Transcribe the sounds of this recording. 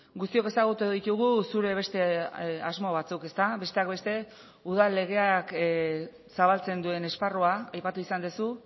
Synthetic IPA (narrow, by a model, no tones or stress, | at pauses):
ɡust̪io̞ke̞saɣ̞ut̪uðit̪uɣusuɾe̞β̞e̞st̪e̞azmo̞β̞at͡suke̞st̪abe̞st̪e̞akbe̞st̪e̞ | uð̞alːe̞ɣ̞e̞ak | saβalt͡se̞nd̪ue̞ne̞sparoaajpat̪uisand̪esu